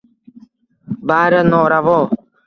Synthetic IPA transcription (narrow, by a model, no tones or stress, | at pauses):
baːɾənoːɾaʋoː